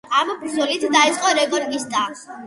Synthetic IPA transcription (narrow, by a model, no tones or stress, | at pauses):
amɔbʰɾzulit̪ʰd̪ait̪sʼqʼɔɾɛɡɔɾɡist̪ʼa